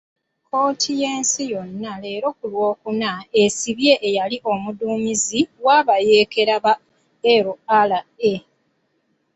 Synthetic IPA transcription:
kʰo̞ːtʰijeːnsijo̞nːale̞ːɾo̞kulwo̞ːkunaesiβje̞ʔːjaliʔo̞muduːɲiziwaːβaje̞ːke̞ɾaβa | eɾoalae

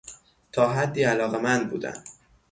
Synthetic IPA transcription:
t̪ʰɒːɦæd̪ːiːælɒːɣemænd̪̚buːd̪æ̰nd̪̥

